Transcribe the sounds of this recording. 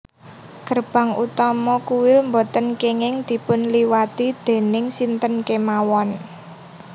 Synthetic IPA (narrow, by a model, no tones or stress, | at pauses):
kərb̥a̤ŋut̪ɔmɔkuwɪlmbot̪ənkeŋɪŋd̪̥i̤pʊnliwat̪id̪̥e̤nɪŋsint̪ənkemawɔn